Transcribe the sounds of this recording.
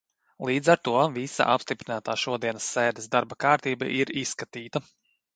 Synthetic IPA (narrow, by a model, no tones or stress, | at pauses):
lˠiːd̪zaɾt̪uɔvisa̰ʔa̰pst̪ipɾinaːt̪aːʃuɔd̪iɛnɐsːeːd̪ɛsd̪aɾbakaːɾt̪iːba̰ʔiɾisːkat̪iːt̪ɐ